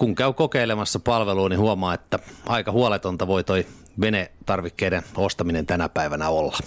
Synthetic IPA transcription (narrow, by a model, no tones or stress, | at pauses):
kuŋkæykokeilemɑsːɑpɑlʋeluːnihuomɑːet̪ːæɑikɑhuolet̪ont̪ɑʋoit̪oi | ʋenet̪ɑrʋikːeiɾenost̪ɑminent̪ænæpæiʋænæolːɑ